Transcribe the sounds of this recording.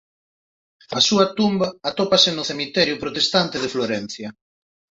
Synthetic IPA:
ɐsuɐt̪umbɐːt̪opasɪnʊθemit̪ɛɾjʊpɾot̪est̪ant̪ɪðefloɾɛn̟θjɐ

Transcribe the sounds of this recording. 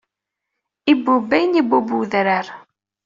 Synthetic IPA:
ibːubːæjnibubuðɾəɾ

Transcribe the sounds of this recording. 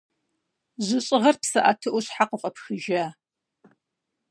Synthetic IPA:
ʑɨɕʼɪʁɐrpsɐʔatʰɨʔʊɕħaqəqʼɐpxɨʒaː

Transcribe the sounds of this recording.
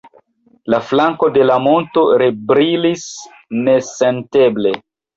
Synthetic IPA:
laflaŋko̞de̞lamo̞nto̞ɾebɾilis | ne̞sente̞ble̞

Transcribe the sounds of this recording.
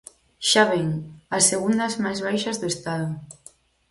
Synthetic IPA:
ʃaβeŋasːeɣ̞und̪azmajzβajʃazðuest̪aðu

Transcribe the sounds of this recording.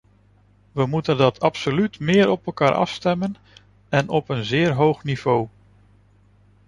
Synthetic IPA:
ʋəmutəndɑtʰɑpsolytmɪːɹɔpɛlˠkaːɹʔɑ̰fstɛmən | ɛnɔpənzɪːɹɦowχniv̥ow

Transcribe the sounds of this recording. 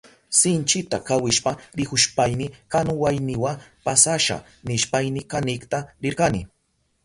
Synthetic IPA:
sɪnt͡ʃɪt̪akawɪʃpaɾɪkʊʃpajnɪkanʊwajnɪwapasaʃa̰ | nɪʃpajnɪkanɪkt̪aɾɪɾɢanɪ

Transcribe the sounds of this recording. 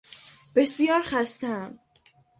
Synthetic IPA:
b̥e̞sijɒːɾxæst̪ææm

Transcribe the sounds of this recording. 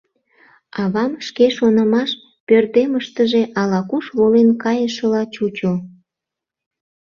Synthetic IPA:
ɑβɑmʃkeʃonəmɑʃ | pørt̪eməʃt̪əʒe̽ʔɑlɑkuʃβolenkɑjəʃəlɑt͡ɕut͡ɕo

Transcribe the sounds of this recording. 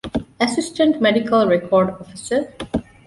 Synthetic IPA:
əsɪsʈə̃ɳʈmɛɖikəlɹɛkʰɔːɾɖɔfisə

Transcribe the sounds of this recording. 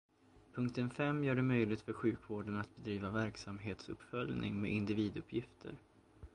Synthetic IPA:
pʰɵŋk̚t̪ənfɛmːjœːɖɛmœjlɪɡt̪fœɾɧʉ̟ːkvoːɖənat̪̚bɛd̪ɾiːvavæɾksamɦeːt̪sɵ̰pːfœljnɪ̰ŋmḛʔɪnd̪ɪviːd̪ɵpʰjɪft̪ʰə̰ɾ

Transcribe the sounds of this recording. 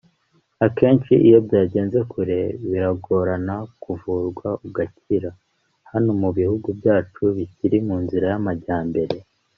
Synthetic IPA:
ake̞ːnt͡ʃiʔijo̞bjaːɟe̞ːnze̞kuɾe̞βiɾaɡo̞ːɾanakuvuːɾɡwauɡaciɾa | hano̞muβihuɡubjaːt͡ʃuβiciɾimuːnziɾajamaɾɟaːmbe̞ɾe̞

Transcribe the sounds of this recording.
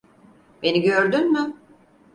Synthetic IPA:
be̞niɟøɾd̪ynmy

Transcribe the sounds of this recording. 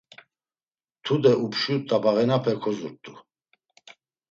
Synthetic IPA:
t̪ʰud̪ɛupʰʃut̪ʼːabaʁɛnapʰɛkʰɔzṵɾt̪ʼu

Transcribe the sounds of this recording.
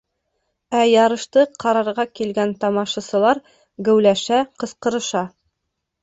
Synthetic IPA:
æjɑɾɤ̆ʃt̪ɤqʰɑɾɑɾʁɑkilɡænt̪ɑmɑʃɑsɤ̆lˠɑɾ | ɡɘ̆wlæʃæqɤ̆sqɤ̆ɾɤ̆ʃɑ

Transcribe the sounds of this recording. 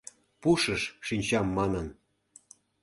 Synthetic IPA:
puʃəʃːinʲt͡ɕɑmːɑnən

